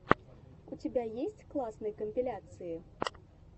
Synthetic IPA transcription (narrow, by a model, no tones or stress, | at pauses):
ut͡sʲɪbʲajesʲt͡sʲklˠasnɨjkəmʲpʲilʲat̪sɨji